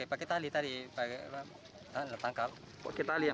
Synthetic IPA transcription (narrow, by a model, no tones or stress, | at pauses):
epaket̪alit̪adipaa | t̪alat̪aŋkal | pakɛt̪alia